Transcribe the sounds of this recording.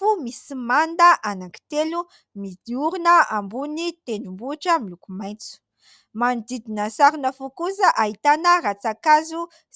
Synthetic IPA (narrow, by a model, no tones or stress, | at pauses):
fumisimand̪əʔanaŋki̥t̪elu | mid̪iuɾunəambunit̪enumbuʈ͡ʂəmilukumajnt͡su̥ | manid̪id̪inəsaɾinəfukuzəʔaɦit̪anəɾat͡sakazu